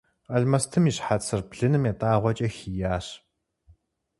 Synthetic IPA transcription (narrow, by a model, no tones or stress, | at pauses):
ɐɮmɐstʰɨmiːɕħat͡sʰɨrbɮɨnɨmjaːtʼaːʁʷɔt͡ʃʼɐxijaːɕ